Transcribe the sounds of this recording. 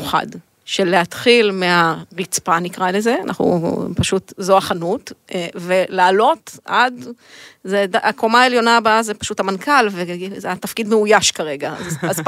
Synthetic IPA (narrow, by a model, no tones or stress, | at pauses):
χa̰d | ʃe̞lːeatχilmeaʁit͡spanikʁalezea̰nʔa̰χṵpaʃutzoaχanutve̞laːlo̞tʔad | zedakomaeljo̞nabaazepḁʃuthamankʰalvezeat̪ɐfkidmeujaʃkaʁe̞ɡazaz